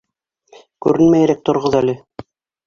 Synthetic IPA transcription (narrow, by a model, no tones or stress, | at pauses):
kʉɾɘnmæjɾæk̚t̪ŏɾʁɤðælɘ